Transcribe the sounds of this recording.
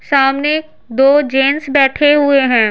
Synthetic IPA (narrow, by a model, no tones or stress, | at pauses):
saːmne | d̪oːd͡ʒeːnsbɛːʈʰeɦʊeɦɛ̃ː